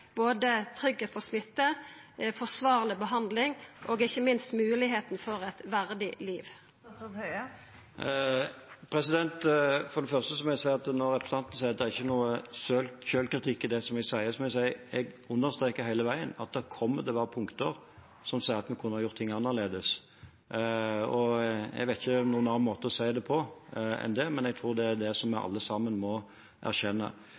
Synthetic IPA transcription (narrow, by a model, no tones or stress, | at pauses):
b̥oːd̪ət̪ʰɾʏɡheːt̪pʰɔsmɪt̪ːə | fɔsʋɑːʁlɪbəɦɑnd̪lɪŋʔoːɡɪçːəmɪnst̪mʉːlɪɦeːt̪n̩fɔɾɛt̪ʋæʁd̪ɪliːʋ | pʰɾɛsɪd̪ɛnt̪fɔdɖɛfœʁst̪əsɔmɛɡsæɪɑt̪nɔɾːɛpɾə̥sɑnt̪n̩sæɪɑt̪d̪ɛæɾɪçːənuːəsøːlçøːlkɾɪt̪ʰɪkːɪd̪ɛsɔmɪsæɪəsɔmɛsæɪɛɡʉnːəɾst̪ɾeːkəɾhæɪləʋæɪənɑt̪̚d̪æɾkʰɔmːəd̪ɛʋɑːɾpʰʊŋkt̪əɾ | sɔmsæɪəɾɑt̪mɛkʰʉnːəhɑɾjʊɾt̪ʰːɪŋːɑnːəleːd̪əs | ɔɛ̰ɡʋæɪt̪ɪçənuːənɑnmoːt̪əɾɔsæɪd̪ɛpʰɔɛ̰nd̪ɛmɛnɛɡ̚t̪ʰɾuːɾd̪ɛæd̪ɛsɔmːæɪʔɑ̰lːəsɑmənmɔ | ʔæ̰ɾçɛnːə̰